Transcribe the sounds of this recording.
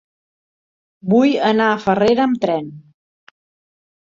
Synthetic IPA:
bujənaəfəreɾəːmt̪ɾɛn

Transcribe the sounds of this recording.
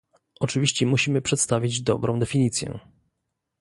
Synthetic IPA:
ʔɔt͡ʂɘvʲiɕt͡ɕɛmuɕimɘpʂɛt̪st̪avʲid͡ʑd̪ɔbɾɔ̃d̪ɛfʲiɲit̪sʲjɛ̰

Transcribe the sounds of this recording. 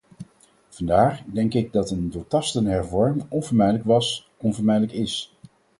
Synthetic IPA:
v̥ɑndaːɹdɛŋkɪɡ̚dɑtəndotɑstənɦɛɹvɔɹmɪŋɔnvəɹmɛjdələkʋɑs | ɔnvəɹmɛjdələkɪs

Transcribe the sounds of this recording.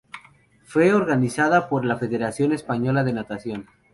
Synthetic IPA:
fwe̞oɾɣanisaðapo̞ɾlafe̞ðe̞ɾasjo̞ne̞spaɲo̞laðe̞nat̪asjo̞n

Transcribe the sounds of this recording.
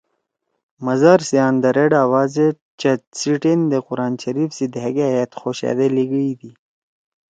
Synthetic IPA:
mɐzaɾsijaːnd̪ɐɾeɖaːwaːze | t͡ʃt͡ɕɐt͡siʈend̪eqʊɾaːnɕɐɾifsid̪ɦeɡeajat̪xoːɕa̰d̪eliɡəid̪i

